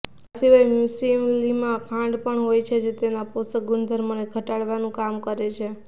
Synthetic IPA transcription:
asiʋajmjusimlimãkʰãɳɖpəɳɦojt͡ʃʰed͡ʒet̪enaposək̚ɡʊnd̪ʱəɾməneɡʱəʈaɭʋanũkamkəɾet͡ʃʰe

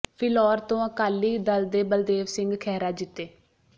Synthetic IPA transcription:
pʰɪlɔːɾt̪õːəkaːlːiːd̪əld̪eːbəld̪eːʋsɪ̃ŋɡkʰɛːɾaːd͡ʒɪt̪ːeː

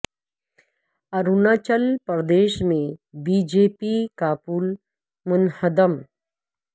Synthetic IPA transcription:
ɐɾunaːt͡ʃəlpɾd̪eːʃmẽbiːd͡ʒeːpiːkaːpuːl | mʊnhəd̪əm

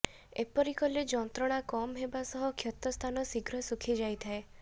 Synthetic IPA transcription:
epɔɾikɔled͡ʒɔnt̪ɾɔɽ̃akɔmɦebasɔɦɔkʰjɔt̪ɔst̪ʰanɔsiɡɾɔsukʰid͡ʒajt̪ʰae

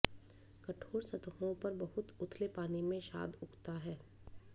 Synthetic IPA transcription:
kɐʈʰoːɽsɐt̪ɦõpɐɾbɐɦʊt̪ʊt̪ʰlepaːnimẽʃa̰ːd̪ʊkʰt̪aɦɛː

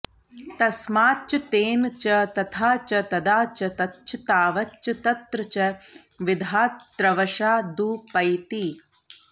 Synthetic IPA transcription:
t̪ɐsmaːtt͡ʃɐt̪eːnt͡ʃɐt̪ɐt̪ʰaːt͡ʃɐt̪ɐd̪aːt͡ʃɐt̪ɐtːt͡ʃʰɐt̪aːʋɐtːt͡ʃɐt̪ɐt̪ɾɐt͡ʃɐ | ʋid̪ʱaːt̪ɾɐʋɐʃaːd̪uːpːɐjt̪i

